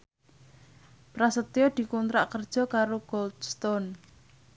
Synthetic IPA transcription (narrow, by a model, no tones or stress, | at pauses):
pɾasət̪iɔd̪̥i̤kunt̪ɾaʔkərd̥ʒ̥ɔ̤kaɾoɡ̥ɔld̪st̪ɔn